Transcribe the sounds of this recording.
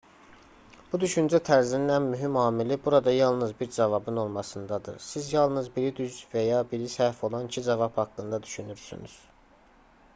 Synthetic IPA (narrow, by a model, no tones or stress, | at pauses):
b̥ud̪yʃynd͡ʒæt̪ʰæɾzininænmyɦimɑːmilibuɾɑd̪ɑjɑlˠnɯzbiɾd͡ʒɑvɑbɯno̞lˠmɑsɯnd̪ɑd̪ɯ̰ɾsizjɑlˠnɯzbiɾid̪yzvæjɑbiɾisæɾfo̞lˠɑnicʰid͡ʒɑvɑphɑkːɯnd̪ɑd̪yʃynyɾsy̰ny̰z̥